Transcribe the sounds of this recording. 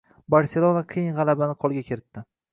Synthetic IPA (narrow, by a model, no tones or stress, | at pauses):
baɾse̞lˠonaqʰijɪnʁɑlˠabanɪqʰɒlˠɡʲakʲʰe̞ɾɪt̪ːɪ